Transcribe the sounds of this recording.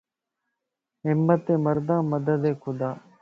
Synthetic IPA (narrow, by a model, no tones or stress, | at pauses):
ɦɪmːət̪eːməɾd̪ãːməd̪əd̪eːkʰʊd̪aː